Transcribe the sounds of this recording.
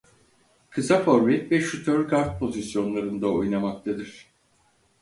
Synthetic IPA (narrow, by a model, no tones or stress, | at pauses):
kʰɯzafo̞ɾmɛt̪vɛʃyt̪ʰøɾɡaɾt̪̚pʰo̞zisjo̞nlˠaɾɯnd̪aojnamak̚t̪ʰad̪iɾ̥